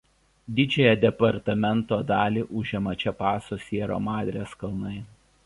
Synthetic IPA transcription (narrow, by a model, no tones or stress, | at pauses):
d̪ʲɪd͡ʒʲɛjɛd̪ʲɛpɐɾt̪ɐmʲɛnt̪oːd̪ɑːlʲiːʔʊʒʲɛmɐt͡ʃʲɛpɑːsoːsʲiɛɾo̰ːmɑːd̪ʲɾʲeskɐlˠnɐɪ